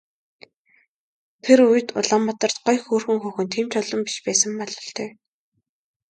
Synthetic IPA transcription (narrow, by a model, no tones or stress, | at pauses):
t̪ʰeɾujɘ̆t̪ʊ̰ɮăːmːɔt̪ɞ̆r̥t̪̚ɢɔjxoːrxɵ̆ŋxɵːxɵ̆nt̪ʰiːmt͡ɕʰʊɮɞ̆mpi̥ʃpæːsə̆mpɔɮɞ̆ɬt̪ʰœː